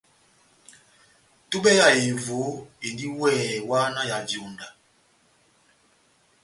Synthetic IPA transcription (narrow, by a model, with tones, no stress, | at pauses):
tu˦ɓɛ˦ja˨e˨vo˨˦e˨ndi˦wɛː˦˨wa˦na˦ja˨d͡ʒjo˨nda˨